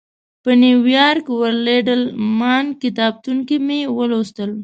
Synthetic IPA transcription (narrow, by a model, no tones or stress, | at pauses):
pəniwjɑɾkwəɾleɖəlmɑnkɪt̪ɑb̚t̪uŋkimewəlost̪əl